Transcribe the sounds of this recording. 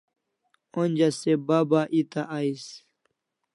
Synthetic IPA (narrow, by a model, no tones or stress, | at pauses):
onʲd͡ʑasebabaʔit̪aʔais